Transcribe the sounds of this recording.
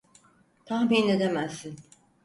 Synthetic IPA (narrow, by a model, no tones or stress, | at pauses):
t̪ʰaxmined̪emæsin